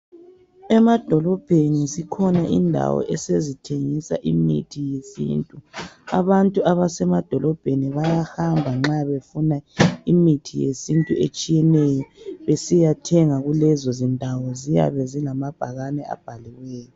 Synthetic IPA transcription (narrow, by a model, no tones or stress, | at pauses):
ɛmad̥ʱɔlɔb̥ʱenisikʰɔnaʔḭndʱa̰wɔ̰ʔɛsezitʰeŋisa̰ʔimḭtʰijesḭntʼua̰βantʼuaβasɛmad̥ʱɔlɔb̥ʱeniβajahambʱaŋ͡ǁaβefunaimitʰijḛsintʼuet͡ʃʼijɛnɛjɔβesijatʰɛŋaɣulɛzɔzindʱawɔzija̰βɛzilamab̥ʱaɣanɛa̰b̥ʱaliwɛːjɔ